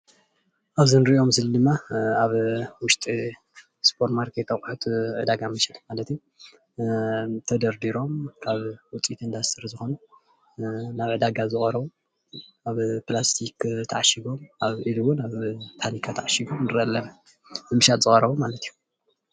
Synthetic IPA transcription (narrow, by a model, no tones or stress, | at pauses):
ʔaβzɨnɾiʔo̞msɨlɨd̪ɨmːaaβwʊʃt̪ʼi | spʰoɾt̪maɾkʰet̪ːɐxʷʼħut̪ʰʕɨd̪aɡamɨʃalmalɐt̪iju | t̪ʰɐd̪ɐɾd̪iɾo̞mkʰaβwʊt͡sʼit̪ɨnd̪ast̪ʰɨɾzɨxo̞nu | naβʕɨd̪aɡazɨxʼɐɾɐβu | aβplast̪ʰikt̪ʰɐʕaʃiɡo̞mʔaβʕiluwunaβt̪ʰanikʰat̪ʰɐʕaʃiɡomnɨɾʔɐlːɐm | ɨmɨʃat̪zɨχʼɐɾɐβomalɐt̪ʰiju